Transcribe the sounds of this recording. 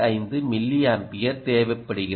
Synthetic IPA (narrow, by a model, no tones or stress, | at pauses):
ɐɪnd̪ɯmɪlːɪjaːnpɪjɐɾt̪eːʋɛpːɐɽɯɣɪ